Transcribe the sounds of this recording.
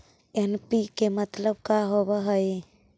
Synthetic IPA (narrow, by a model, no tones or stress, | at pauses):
enpikemət̪ləb̚kaɦobaɦəj